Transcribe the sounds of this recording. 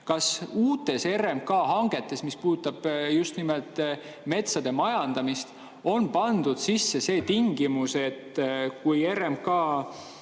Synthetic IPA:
kɑsuːt̪ːˑe̞se̞ɾemkɑːɦɑŋɡ̥e̞t̪ːˑe̞smispu̥ːt̪ːˑɑb̥just̪nimelt̪ˑ | me̞t̪sɑd̪e̞mɑjɑnd̪̥ɑmist̪ | o̞npɑnd̪ud̪̥sisːe̞se̞ːt̪iŋɡ̥imuse̞t̪ːkuje̞ɾemkɑː

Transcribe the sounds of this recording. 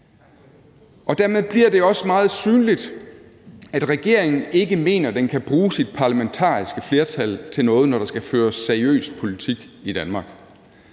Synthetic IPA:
ʔɒ̽d̥æɐmeð̞ˠb̥liɐd̥e̝ɒ̽səmɑ̈ːð̞̩ˠsyːnlid̥ | æd̥ʁɛɡ̥e̝ɐ̰e̝ŋn̩e̝ɡ̥əme̝̰ːnɐd̥enkʰæb̥ʁuːsid̥̚pʰɑ̈læment͡sʰɑ̰̈ːisɡ̥əfle̝ɐt͡sʰæl̰t͡sʰe̝nɔ̽ːð̞̩ˠnɒɾ̥ɑ̈sɡ̥æføːɐsːæɐiø̰ːsd̥̚pʰo̝lit͡sʰiɡ̥id̥ænmɑ̈ːɡ̥

